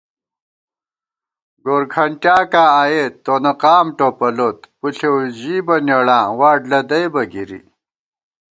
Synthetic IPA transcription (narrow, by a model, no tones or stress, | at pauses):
ɡoːɾkʰɐɳʈjaːkaːajeːt̪ːonɐqaːmʈopɐlot̪puɬewʑiːbɐnjɐɽãːwaːɖlɐd̪ɐjbɐɡiɾḭ